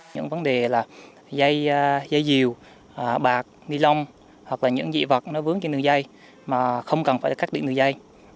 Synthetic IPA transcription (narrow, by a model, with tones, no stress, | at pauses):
ɲɨ̰˧˥ŋvə˨˦nɗe˨˩laː˨˩ | za˧jza˧jzi˨˩əw | ʔɓaː˨˩k̚ɗi˧la˧wŋ͡m | hwa˨˩k̚laː˨˩ɲɨ̰˧˥ŋzḭ˧˨və˨˩t̚nɔ˨˦vɨ˨˦ŋt͡ɕe˧nɨ˨˩əza˧j | maː˨˩xə˧wŋ͡mkə˨˩nfaː˧˩jkːa˦˥ɗḭ˧˨nɗɨ˨˩za˧j